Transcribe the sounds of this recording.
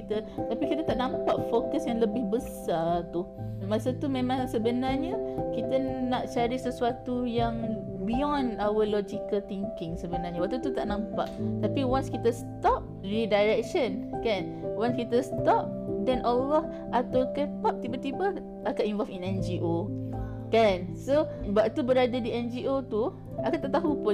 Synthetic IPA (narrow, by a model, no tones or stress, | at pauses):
it̪ət̪apikit̪ət̪aʔnãmpaʔfokəsjãŋləbɪhbəsat̪u | masat̪umẽmãŋsəbənarɲəkit̪ənaʔt͡ʃaɾisəsuat̪ujaŋ | biɔnawəlɔd͡ʒikəlt̪iŋkɪŋsəbənaɲawak̚t̪ut̪ut̪aʔnãmpaʔt̪apiwanskit̪əst̪ɔp̚ | lidajɾɛk̚ʃənkan | wãnskit̪əst̪ɔp̚dɛ̃nʔɔlɔh | at̪awkəp̪ap̚t̪ibət̪ibə | ʔakanĩnɱvɔlfinɛnd͡ʒiʔo | kansobaʔt̪ubəɾadadiɛnd͡ʒiʔot̪u | akant̪aʔt̪aɦupʊ